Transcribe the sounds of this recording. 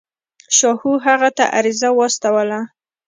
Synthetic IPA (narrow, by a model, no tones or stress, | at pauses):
ʃɑhuɦaɣat̪a̰ʔa̰ɾizawɑst̪awəla